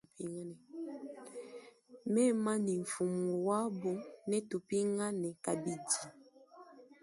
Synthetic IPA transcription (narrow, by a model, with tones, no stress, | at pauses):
pi˦ŋa˦nɛ˨ | mɛ˦ma˦ni˨ɱ̩˨fu˨mu˨wa˦bo˦nɛ˦tu˨pi˦ŋa˦nɛ˨ka˨bi˦di˨